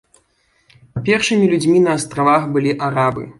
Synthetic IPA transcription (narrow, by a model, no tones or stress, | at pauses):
pʲɛrʂɨmʲilʲud͡zʲmʲinɐːst̪ɾavaxbɨlʲiʔaɾabɨ̰